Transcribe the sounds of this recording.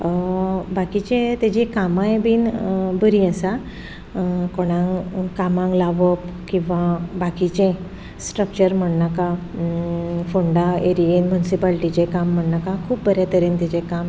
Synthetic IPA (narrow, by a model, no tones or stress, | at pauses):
bakit͡ɕẽt̪ad͡ʑikamãjbiːnbəɾĩəsa | koɽ̃ãŋkamãŋɡlaʋəpkĩw̃ʋabakit͡ɕẽ | sʈɾək̚t͡ɕəɾm̤əɽnaka | foɳɖaeɾienmjunisipalʈit͡ɕẽkamːəɽnakãkʰuːp̚bʱəɾjat̪əɾiːnt̪ad͡ʑẽkam